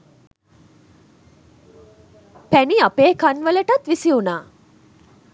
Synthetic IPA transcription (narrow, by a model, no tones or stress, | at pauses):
pæniapeːkanʋəleʈat̪ʋisiunaː